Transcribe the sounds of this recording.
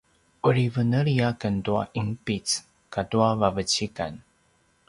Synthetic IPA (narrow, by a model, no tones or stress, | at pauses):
uɾivənəɾiakəndua̰ʔimpit͡s | kaduavavət͡ɕika̰n